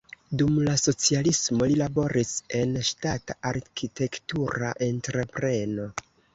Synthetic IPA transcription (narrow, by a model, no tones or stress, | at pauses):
dumlaso̞t͡sialismo̞lilabo̞ɾise̞nʃtataʔaɾkʰite̞ktuɾa̰ʔe̞ntɾe̞pɾe̞no̞